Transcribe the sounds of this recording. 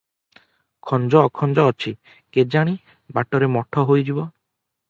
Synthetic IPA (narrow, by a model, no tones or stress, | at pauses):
kʰɔnd͡ʒɔːkʰɔnd͡ʒɔːt͡ʃʰi | ked͡ʒaɽ̃i | baʈɔɾemɔʈʰɔɦojd͡ʒibɔ